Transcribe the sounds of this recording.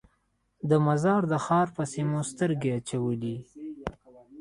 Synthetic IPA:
d̪əmazɑɾd̪əxɑɾpəsimost̪əɾɡeat͡ʃawəli

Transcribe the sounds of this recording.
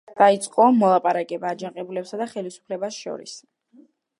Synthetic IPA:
d̪̥ait̪sʼqʼɔmɔlˠapʼaɾakʼɛbaːd͡ʒaŋqʼɛbulɛpsad̪aχɛlisu̥pʰlɛbasʃɔ̰ɾḭs

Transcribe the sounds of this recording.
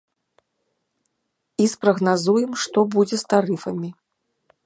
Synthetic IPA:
ispɾɐɣnazujɛmʂt̪ɔbud͡zʲɛst̪aɾɨfɐmʲi

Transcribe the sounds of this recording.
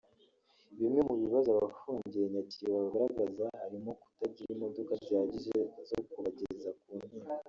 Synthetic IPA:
βimŋe̞muβiβazoaβafuːɲɟieɲaciβaaɡaɾaɡazahaɾimo̞ku̥tabɟiɾimo̞do̞kaɟaːɟiʒezokuβaɟezakuːn̥hima

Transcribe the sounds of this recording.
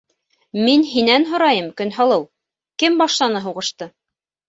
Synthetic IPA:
minɦinænɦŏɾɑjɤmkɵnɦɑlˠɤw | kɘmbɑʃlˠɑnɤɦuʁɤ̆ʃt̪ɤ

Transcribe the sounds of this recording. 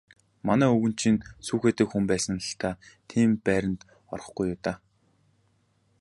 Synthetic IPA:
manæːɵɣɵ̆n̥t͡ɕʰinsuːxeːt̪ɘ̆kxumpæːsə̆nəɬt̪ʰaːt̪ʰiːmpæːɾʲə̆nt̪ | ɔ̰rɞ̆χɡujːʊːt̪aː

